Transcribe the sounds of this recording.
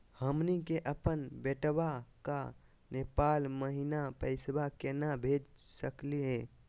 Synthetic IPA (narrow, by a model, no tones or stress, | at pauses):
həmnikeʔəpənbeʈbaka̰ | nepalməɦinapəɪsbakenabʱed͡ʒsəkliɦe